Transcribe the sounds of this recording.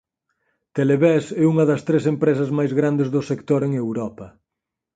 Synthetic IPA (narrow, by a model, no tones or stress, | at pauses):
t̪eleβɛsɛuŋɐðɐst̪ɾesempɾes̬ɐzmajzɣɾand̪ezðʊsekt̪oɾeŋewɾɔpɐ